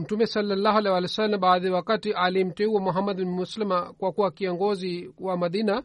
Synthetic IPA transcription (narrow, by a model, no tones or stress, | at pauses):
m̩tumɛsalːalːaɦualɛwalisalːamɓaːðiawakatiʔalim̩tɛuwamuɦamːad̪binmuslimakwakuwakiɔŋɡɔziwamaðina